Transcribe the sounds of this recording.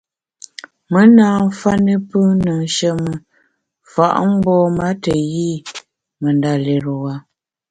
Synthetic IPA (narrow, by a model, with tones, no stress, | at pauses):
mə˦naː˦˨˦fa˦nə˦pə˦nə˨ŋ˨ʃə˦mə˨ | fa̰˨ʔm̩˦bɔː˦ma˦tə˨ji˦ | mə˨nda˨le˨ɾwa˨